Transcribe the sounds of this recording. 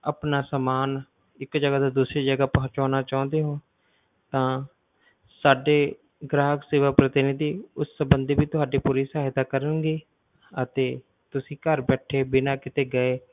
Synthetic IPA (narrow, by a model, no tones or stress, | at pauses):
əpnaːsəmaːn | ɪkd͡ʒəɡaːd̪aːd̪uːsɾiːd͡ʒəɡaːpəɦt͡ʃaːnaːt͡ʃãːnd̪eːɦõː | t̪ãː | saːɖeː | ɡɾaːɦəkseːʋaːpɾət̪ɪnt̪iːʊsːəbənd̪iːbiːt̪ʊɦaːɖeːpuːɾiːsaːɦɪd̪aːkəɾənɡeː | ət̪eː | t̪ʊsĩːkəɾbɛːʈʰeːbɪnaːkɪt̪eːɡəeː